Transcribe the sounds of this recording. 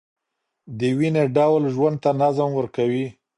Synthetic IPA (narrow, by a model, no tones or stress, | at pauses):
d̪əwineɖawlʒwand̪̚t̪anazəmwəɾkawi